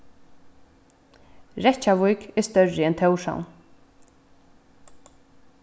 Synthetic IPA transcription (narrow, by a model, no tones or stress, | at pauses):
ɾɛt͡ʃaʋʊjkɛst̪œrːɪɛnt̪ʰœwʃa̰wn